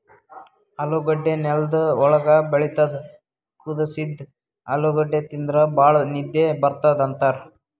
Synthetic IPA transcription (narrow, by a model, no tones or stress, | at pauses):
ɐloːɡɐɖːenɛld̪ɐɔɭɐɡɐbeɭit̪ɐd̪ | kud̪ɐsid̪ | ɐ̰loɡɐɖːet̪ind̪ɾɐbaːɭɐnid̪jebɐɾt̪ad̪ɐnt̪aɾ